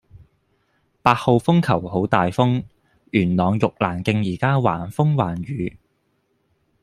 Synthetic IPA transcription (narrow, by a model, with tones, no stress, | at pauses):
paː˧t̚ho˨˧wfʊ˥ŋkʰɐ˨˩who˨˥wt̪aː˨jfʊ˥ŋ | jyː˨˩nlɔː˨˧ŋjʊ˨k̚laː˨˩nkɪ˧ŋjiː˨˩kaː˥wa̰ː˨˩nfʊ˥ŋwaː˨˩nɥyː˨˧˦